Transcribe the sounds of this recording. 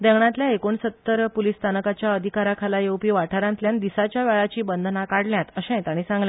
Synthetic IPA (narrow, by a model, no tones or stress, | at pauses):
d̪ɛwɳãt̪ljaekoɳsət̪ːəɾpolist̪ʰanəkat͡ɕjaəd̪ʱikaɾakʰalajewpiːʋaʈʰaɾãnt̪ljand̪isat͡ɕjaʋɛɭat͡ɕiːbənd̪ʱnakaɽljat̪əɕɛ̃t̪aɽ̃isãŋɡljã